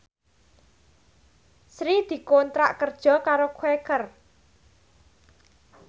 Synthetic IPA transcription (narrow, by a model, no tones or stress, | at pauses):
sɾid̪̥i̤kont̪ɾaʔkərd̥ʒ̥ɔ̤kaɾokʰwekər